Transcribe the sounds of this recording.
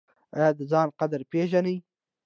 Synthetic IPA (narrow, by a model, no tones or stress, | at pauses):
ajd̪əzɑːnqad̪aɾpeʒanəj